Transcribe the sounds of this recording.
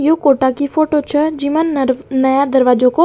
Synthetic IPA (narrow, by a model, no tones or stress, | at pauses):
jokoʈakifoːʈot͡ʃʰəd͡ʒimannəjad̪əɾʋad͡ʒoko